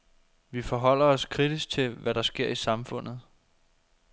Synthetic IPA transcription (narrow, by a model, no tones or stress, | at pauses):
ʋifɒɦɒ̽l̰ɐɒ̽skʰʁid̥isɡ̥̚t͡sʰe̝ʋæɾ̥ɑ̈sɡ̥e̝ɐ̰isɑ̈mfɔ̽n̰ð̩ˠ